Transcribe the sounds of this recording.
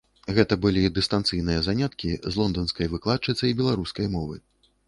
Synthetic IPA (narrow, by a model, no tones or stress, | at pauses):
ɣɛt̪ɐbɨlʲid̪ɨst̪ant̪sɨjnɨjɐzanʲat̪kʲizlˠɔnd̪ɔnskɐjvɨklˠatt͡ʂɨt̪sɐjibʲɛlˠaɾuskɐjmɔvɨ̰